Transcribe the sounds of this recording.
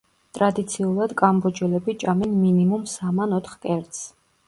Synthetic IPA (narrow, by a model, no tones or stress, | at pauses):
t̪ʼɾad̪it̪sʰiulˠad̪kʼambɔd͡ʒɛlɛbit͡ʃʼamɛnminimumsamanɔt̪ʰχkʼɛɾt̪s